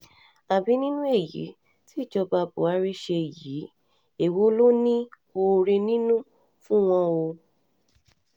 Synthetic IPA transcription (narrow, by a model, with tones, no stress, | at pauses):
a˨bi˨˦nĩ˦nũ˦e˦˨jḭ˨˦ | ti˦i˦˨d͡ʒɔ˧ba˧bo̰˨˦a˧ɾe˧ʃe˧e˨ji˨˦ | e˨wo˦lo˦nĩ˦ | o˧ɾe˧nĩ˦nũ˦ | fũ˦w̃ɔ̃˧o˧